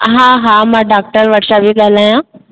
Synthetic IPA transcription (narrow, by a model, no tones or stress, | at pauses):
ɦãːɦãmãːɖaːk̚ʈəɾʋɐʈʰʃabʱiɠalaːjã